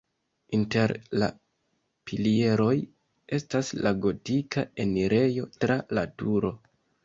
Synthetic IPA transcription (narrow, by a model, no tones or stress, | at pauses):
inte̞ɾla̰ | pilie̞ɾo̞j | e̞staslaɡo̞tikae̞niɾe̞jo̞tɾalatuɾo̞